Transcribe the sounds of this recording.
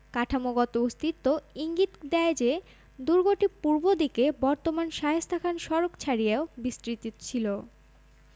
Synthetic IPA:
kaʈʰamoɡɔt̪oust̪it̪ːoiŋɡit̪d̪ɛed͡ʑe | d̪uɾɡoʈipuɾbod̪ikebɔɾt̪omanʃaɦest̪ʰakʰanʃɔɾokt͡ɕʰaɾijeobist̪ɾit̪it͡ɕʰilo

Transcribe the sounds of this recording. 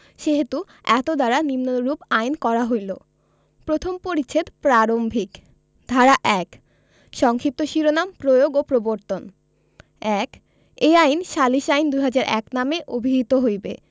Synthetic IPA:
ʃeɦet̪u | ɛt̪od̪aɾanimnoɾupajnkɔɾaɦojlo̰ | pɾot̪ʰompoɾit͡ɕʰet̪pɾaɾombʱik | d̪ʱaɾaʔɛk | ʃɔŋkʰip̚t̪oʃiɾonampɾojoɡopɾoboɾt̪on | ɛk | ejajnʃaliʃajnd̪ujɦad͡ʑaɾʔɛ̰knameʔobʱiɦit̪oɦojbḛ

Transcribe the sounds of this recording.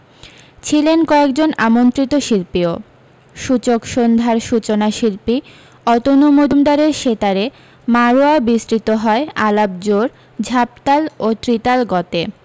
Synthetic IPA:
t͡ɕʰilenkɔek̚d͡ʑonamont̪ɾit̪oʃilpio | ʃut͡ɕokʃond̪ʱaɾʃut͡ɕonaʃilpi | ɔt̪onumod̪umd̪aɾeɾʃet̪aɾe | maɾoabisɾit̪oɦɔealab̚d͡ʑoɾ | d͡ʑʱap̚t̪alot̪ɾit̪alɡɔt̪e

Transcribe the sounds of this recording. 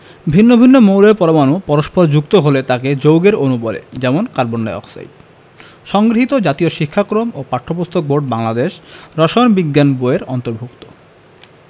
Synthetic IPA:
bʱinːobʱinːomowɾeɾpɔɾomanupɔɾoʃpoɾd͡ʑuk̚t̪oɦolet̪aked͡ʑowɡeɾonubɔlḛd͡ʑɛmonkaɾbonːajɔ̰ksa̰j | ʃɔŋɡɾoɦit̪od͡ʑat̪ioʃikʰːakɾomopaʈʰːopust̪ʰok̚bʱoʈ̚baŋlad̪eʃɾɔʃonbiɡːanboeɾɔnt̪oɾbʱukt̪o̥

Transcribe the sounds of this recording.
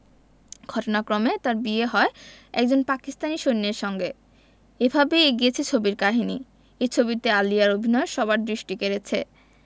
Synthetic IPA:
ɡ̥ʱɔʈonakɾomet̪aɾbieɦɔeɛk̚d͡ʑonpakist̪aniʃonːeɾʃɔŋɡe | ebʱabeeɡiet͡ɕʰet͡ɕʰobiɾkaɦini | et͡ɕʰobit̪ealijaɾobʱinɔeʃɔβaɾd̪ɾiʃʈikeɾet͡ɕʰe

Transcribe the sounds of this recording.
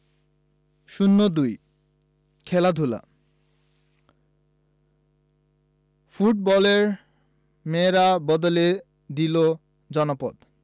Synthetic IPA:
ʃunːod̪uj | kʰɛlad̪ʱula̰ | fuʈ̚bɔleɾ | meɾabɔd̪ole | d̪ilo | d͡ʑɔnopod̪

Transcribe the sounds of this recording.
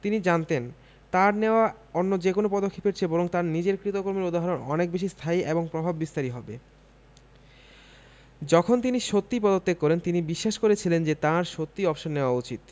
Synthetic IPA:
t̪inid͡ʑant̪en | t̪aɾneoa | onːod͡ʑekonopɔd̪okʰːepeɾt͡ɕʰebɔɾoŋt̪aɾnid͡ʑeɾkɾit̪okoɾmiɾud̪aɦɔɾonɔnek̚beʃ̬ist̪ʰaieboŋpɾobʱabːist̪aɾiɦɔbe | d͡ʑɔkʰont̪̬iniʃot̪ːipɔd̪ot̪ːekːɔɾent̪inibiʃːaʃkoɾet͡ɕʰilend͡ʑet̪aɾʃot̪ːiɔbʃonːeoaut͡ɕit̪

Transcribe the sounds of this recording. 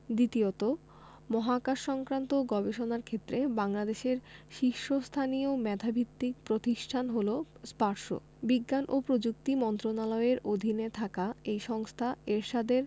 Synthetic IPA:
d̪it̪iot̪o | mɔɦakaʃʃɔŋkɾant̪oɡɔbeʃonaɾkʰet̪ːɾebaŋlad̪eʃeɾʃiʃːost̪ʰanijomɛd̪ʱabʱit̪ːik̚pɾot̪iʃʈʰanɦolospaɾʃo̰ | biɡːanʔopɾod͡ʑuk̚t̪imɔnt̪ɾonalɔeɾod̪ʱinet̪ʰakaejʃɔŋst̪ʰaeɾʃad̪eɾ

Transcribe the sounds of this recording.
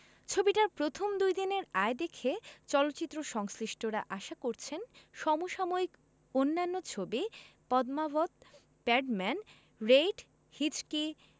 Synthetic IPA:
t͡ɕʰobiʈaɾpɾot̪ʰomd̪ujd̪ineɾaed̪ekʰet͡ɕɔlot̪ːɕit̪ːɾoʃɔŋsɾiʃʈoɾa̰ʔaʃakoɾt͡ɕʰenʃɔmoʃɔmoik | onːanːot͡ɕʰobipɔd̪mabot̪̚ | pɛɖmɛn | ɾejʈ | hit͡ɕki

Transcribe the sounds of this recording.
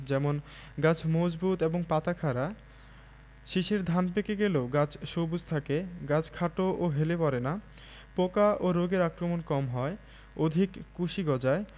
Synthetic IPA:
d͡ʑɛmon | ɡat͡ɕʰmod͡ʑbʱut̪eboŋpat̪akʰaɾa | ʃiʃeɾd̪ʱanpekeɡeloɡat͡ɕʰʃobud͡ʑt̪ʰakeɡat͡ɕʰkʰaʈoʔoɦelepɔɾena | pokaʔoɾoɡeɾakɾomonkɔmɦɔe | od̪ʱikːuʃiɡɔd͡ʑae

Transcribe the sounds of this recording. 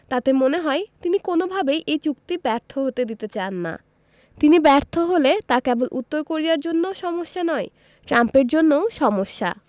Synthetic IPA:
t̪at̪emoneɦɔet̪inikonobʱabejʔejt͡ɕukt̪ibɛɾt̪ʰoɦot̪ed̪it̪et͡ɕanːa̰ | t̪inibɛɾt̪ʰoɦolet̪akɛbolʔut̪ːoɾkoɾijaɾd͡ʑonːoʃɔmoʃːanɔe | ʈɾampeɾd͡ʑonːooʃɔmoʃːa̰

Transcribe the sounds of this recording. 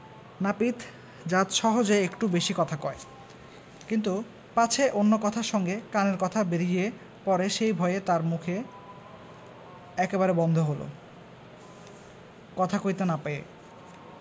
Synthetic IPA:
napit̪ʰ | d͡ʑat̪ʃɔɦod͡ʑoeekʈubeʃikɔt̪ʰakɔe | kint̪̬u | pat͡ɕʰeʔonːokɔt̪ʰaɾʃɔŋɡekaneɾkɔt̪ʰabeɾije | pɔɾeʃejbʱɔeet̪aɾmukʰe | ɛkeβaɾebɔnd̪ʱoɦolo̰ | kɔt̪ʰakoit̪enapeḛ

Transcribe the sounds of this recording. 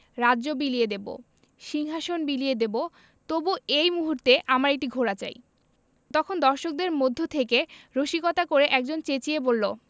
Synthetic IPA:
ɾadːd͡ʑobilijed̪ebo̰ | ʃiŋɦaʃonbilijed̪ebo | t̪obuejmuɦuɾt̪eʔamaɾek̚ʈiɡʱoɾat͡ɕa̰j | t̪ɔkʰond̪ɔɾʃok̚d̪eɾmod̪ʱːot̪ʰekeɾoʃikot̪akoɾeʔɛk̚d͡ʑont͡ɕet͡ɕiebolːo

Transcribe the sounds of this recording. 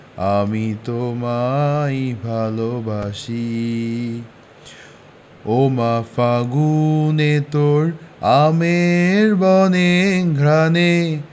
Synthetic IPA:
a̰mit̪omaibʱalobʱaʃi | omafaɡunet̪oɾameɾbɔneɡʱɾane

